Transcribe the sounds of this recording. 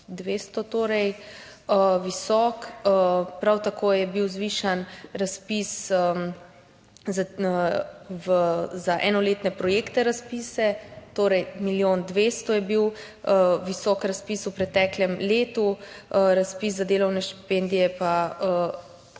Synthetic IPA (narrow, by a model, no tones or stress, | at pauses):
d̪ʋeːst̪ɔt̪oːɾɛj | əʋisɔːkəpɾawt̪akʰoːjɛbiwzʋiːʃanɾaspisə | za | vəzaʔɛːnɔleːt̪nɛpɾɔjeːkt̪ɛɾaspiːsɛt̪oːɾɛjmiljond̪ʋeːst̪ɔjɛbiw | əʋisɔːkɾaspiːsupɾɛt̪ɛklʲɛmleːt̪uɾaspiszad̪eːlɐwnɛʃt̪i̥pend̪ijɛpaə